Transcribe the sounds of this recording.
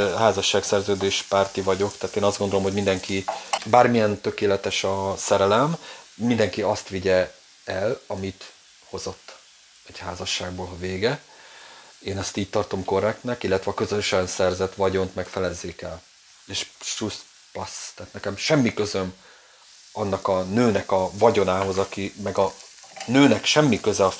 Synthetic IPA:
ɦaːzɒʃːaːksɛrzøːd̪eːʃpaːrt̪ivɒɟo̞kt̪ɛːt̪eːnɒzdɡond̪olomɦo̞ɟmind̪ɛŋkibaːrmijɛnt̪ø̞keːlɛt̪ɛʃɒsɛɾɛlɛmːind̪ɛŋkiɒst̪ʋiɟɛ | ɛlɒmit̪ | ho̞zo̞t̪ː | ɛɟhaːzɒʃːaːɡboːlɦɒveːɡɛ | eːnɛst̪iːc̚t̪ɒrt̪o̞mko̞rɛkt̪nɛkilːɛt̪ʋɛɒkø̞zøʃɛnsɛrzɛt̪ʋɒɟo̞nt̪mɛkfɛlɛzːeːkɛl | eːʃʃus | pɒst̪ɛːt̪nɛkɛmʃɛmːikø̞zøm | ɒnːɒkɒnøːnɛkɒvɒɟo̞naːɦo̞zɒkimɛɡɒnøːnɛkʃɛmːikøzɛɒ

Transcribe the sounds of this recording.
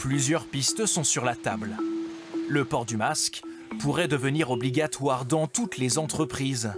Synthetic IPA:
plyzjœʁpist̪sɔ̃syʁlat̪abl | ləpɔʁd̪ymask | puʁɛd̪əvəniʁɔbliɡat̪waʁd̪ɑ̃t̪ut̪lezɑ̃t̪χəpχiz

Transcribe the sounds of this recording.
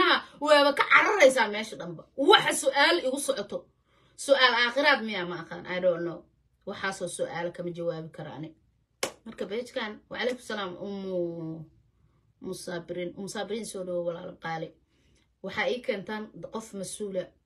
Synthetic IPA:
ɐɦɐwɛːβɐkʰɐʕɑɾɐɾɛjsaːmɛːʃɐɖɐmbɐwɑħɑsʊʔaːlɪɣʊsɔʕɔt̪ʰɔ | sʊʔaːlaːχɪɾaːd̪mɪjaːmɐːqaːnʔɐɖɔːnɔː | wɑħɑːsɔːsʊʔaːlɐkʰɐmɐt͡ʃɐwaːβɪkʰɐɾɐ̰ɐ̰nɪ | mɐrkʰɐbɛht͡ʃkʰaːnwʕɑlɛhkʊsɐlaːmʊmʊ | mʊsaːbɪɾiːnʔʊmʊsaːbɪɾiːnsɔːɖɐwɛwɑla̰ːlɐqɑːlɛ | wɑħɑːɛːjkʰɛːnt̪ʰaːnqɔfmɐsʔuːlɐ

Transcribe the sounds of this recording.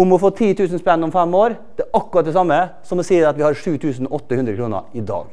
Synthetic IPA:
ʊmɔfoːt̪ʰiːt̪ʰʉːsən̩spɛnːɔmfɛmːoːɾd̪̥ɛʔɑkːʉɾɑt̪̚d̪ɛsɑmːə | sɔmɔsiːəɑt̪ʋɪhɑɾʂʉːt̪ʰʉːsnʔɔt̪ːəhʉnd̪ɾəkɾuːnə̰ɾɪd̪ɑ̰ːɡ

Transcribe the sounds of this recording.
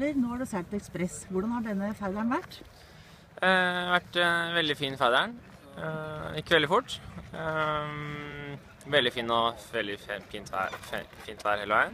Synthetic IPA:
əɾnoːæɖʉsɛɛkspɾɛsʋʊɖɑnhɑɖɛnːəfæɪlæɳʋæʈː | ʋæʈʋɛld̪ɪfiːnfæd̪æɳ | ɪkːəʋɛld̪ɪfʊʈː | ʋɛld̪ɪfiːnːɔʋɛld̪ɪfiːnt̪ʰʋæ̰fiːnt̪ʰʋæːɾhɛlɔæ

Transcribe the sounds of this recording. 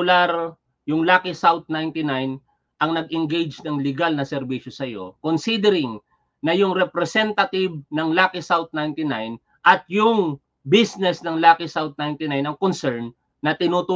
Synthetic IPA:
ʊlaɾ | jʊŋlaːkɪsawt̪̚najnt̪ɪnajn | ʔɐŋnɐɡ̚ɪŋɡejd͡ʒnɐŋlɪɡalnɐsɛɾbiʃosɐjo̞̰konsid̪ɛɾɪŋ | nɐjʊŋɾɛpɾɛsɛnt̪ɐt̪ɪb̚nɐŋlaːkɪsawt̪̚najnt̪ɪnajn | ʔɐt̪̚jʊŋ | bisnɛsnɐŋlaːkɪsawt̪̚najnt̪ɪnajnɐŋkonsɛɹnː | ɐt̪ɪnut̪u

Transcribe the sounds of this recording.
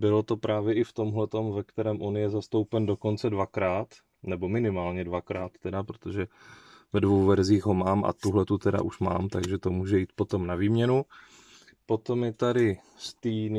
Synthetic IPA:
bɪlo̞t̪o̞pɾʔaːvjɛʔɪft̪o̞mɦlɛt̪o̞mvɛkt̪ɛɾɛːmʔo̞njɛzast̪o̞wpɛndo̞ko̞nt͡sɛdvakɾaːt̪ | nɛbo̞mɪnɪmaːlɲɛdvakɾaːt̪ːɛdapɾot̪oʒɛ | vɛdvowvɛɾziːxɦo̞maːmʔa̰t̪uɦlɛt̪ut̪ɛda̰ʔuʃma̰ːmt̪aɡʒɛt̪o̞muːʒɛjiːt̪̚po̞t̪o̞mnaviːmɲɛnu | po̞t̪o̞mjɛt̪adɪ | st̪iːn

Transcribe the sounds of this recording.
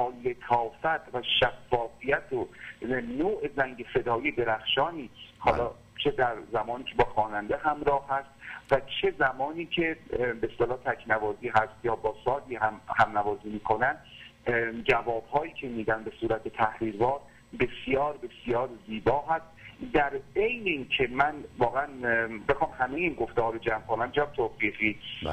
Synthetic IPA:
ɒːle̞t̪ʰɒːfæt̪ʰvæʃæfːɒːfijæt̪ʰonoːʔezæŋɟe̞se̞d̪ɒːijed̪e̞ɾæxʃɒːniːhɒːlɒː | t͡ʃʰe̞d̪æɾzæmɒːniːcʰebɒːxɒːnænd̪eɦæmɾɒːhæst̪væt͡ʃʰe̞zæmɒːniːcʰe̞best̪elɒːt̪ʰækʰnævɒːziːɦæst̪jɒːbɒːsɒːd̪iːhæmhæmnævɒːziːmiːkʰo̞næn | d͡ʒævɒːbhɒːjiːcʰemiːd̪ænbe̞suːɾæt̪ʰet̪ʰæhɾiːɾvɒːɾ | be̞sjɒːɾbe̞sjɒːɾziːbɒːɦæst̪d̪æɾe̞jneiːncʰe̞mænvɒːɣeænbe̞xɒːmhæmejiːnɡo̞ft̪ehɒːɾod͡ʒæmkʰo̞næmt͡ʃʰeæmt̪ʰoːfiːɣiː

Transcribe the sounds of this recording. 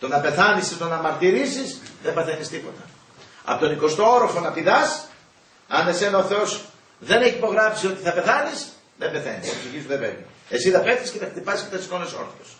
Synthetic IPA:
t̪o̞nɐpe̞θɐnisit̪o̞nɐmɐɾt̪iɾisisðembɐθenist̪ipo̞̰t̪ɐ | ɐ̰pot̪oniko̞st̪o̞oɾofo̞nɐpiðɐs | ɐnese̞nɐoθeo̞s | ðe̞ne̞çipo̞ɣɾɐfsio̞t̪iθɐpe̞θɐnis | ðembe̞θenisoksiʝist̪uðebḛvni | esiðɐpet̪iscetθɐkt̪ipɐsisket̪ɐt̪isko̞neso̞̰ɾθit̪os

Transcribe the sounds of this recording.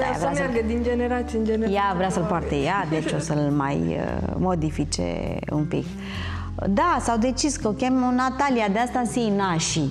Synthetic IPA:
a̰vɾəamarɡəd̪ind͡ʒeneɾat̪sʲiənd͡ʒenejavɾeasəlpoart̪ejad̪et͡ʃosəlma̰j̰mod̪ifit͡ʃḛ | ṵmpḭk | d̪asawd̪et͡ʃiskəkʲemonat̪alijad̪east̪ansijnaʃi

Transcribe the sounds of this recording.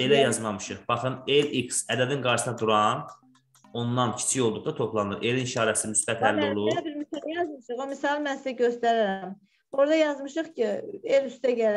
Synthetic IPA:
e̞læjɑzmɑmɯʃɯχb̥ɑχɯneliksæd̪æd̪inɡɑɾʃsnɑd̪uɾɑn | o̞nːɑncʰi̥t͡ʃʰijolˠd̪uχd̪ɑt̪ʰo̞pʰlˠɑnɯɾe̞linʃɑːɾæsimysbæt̪ʰælːiolˠubiɾmysjɑzmɯʃɯχomisɑlˠmænsiæɟøst̪æɾiɾæm | o̞ɾd̪ɑjɑzmɯʃɯχcʰielyst̪æɟæl

